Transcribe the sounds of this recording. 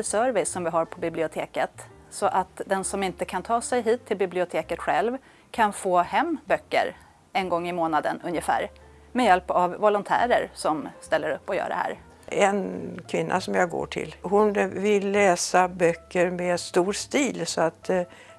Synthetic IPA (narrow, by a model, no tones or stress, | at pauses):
sœːɾvɪsɔmvɪɦaɾpʰɔbɪblɪʊt̪ʰeːkət̪ | sɔʔat̪d̪ɛnsɔmɪnt̪əkʰant̪ʰɑːsɛjɦiːt̪ʰːɪlbɪblɪʊt̪ʰeːkət̪ɧɛlv | kʰanfoːhɛmːbœkːə̰ɾ | ɛnɡɔŋːɪmoːnad̪ə̰nɵnjəfæ̰ːɾ | mɛjɛlpavːɔlʊnt̪ʰæ̰ːɾə̰ɾsɔmst̪ɛlːəɾɵpːɔjœ̰ːɖɛ̰hæ̰ːɾ | ɛnkʰvɪnːʔa̰sɔmjaɡo̰ːʈʰɪ̰lhʊnvɪlːɛːsabœkːəɾmeːst̪uːɾst̪iːlsɔat̪